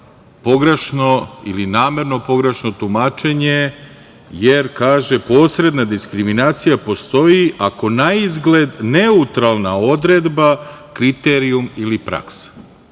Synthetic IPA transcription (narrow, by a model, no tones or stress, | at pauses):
po̞ɡɾeʃno̞ilinaːme̞ɾno̞po̞ɡɾeʃno̞t̪umaːt͡ʃe̞ɲe | jeɾkaːʒe̞po̞ːsɾe̞d̪nad̪iskɾiminaːt̪sijapo̞st̪o̞jiʔako̞naizɡle̞d̪neut̪ɾalˠnao̞d̪ɾe̞d̪ba | kɾit̪eɾiumilipɾa̰ks